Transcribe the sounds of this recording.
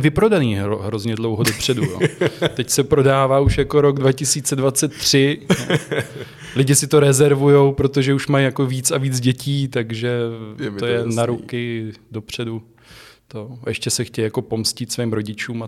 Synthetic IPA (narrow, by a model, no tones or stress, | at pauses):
vɪpɾo̞daniːɦoɦɾozɲɛdlo̞wɦodopr̝̥ɛduoːt̪ɛcsɛpɾo̞daːvaːuʃjako̞ɾo̞ɡdvacɪsiːt͡sɛdvat͡sɛt̪̚ːr̝̥ɪ | lɪɟɪsɪt̪oɾɛzɛɾvujo̞wpɾo̞t̪o̞ʒɛuʃmajjako̞viːt͡saviːt͡sɟɛciːt̪aɡʒɛt̪ojɛnaɾukɪdo̞pr̝̥ɛdu | t̪o̞ɛʃcɛsɛxcɛjjako̞po̞mscɪt̪sviːmɾo̞ɟɪt͡ʃuːma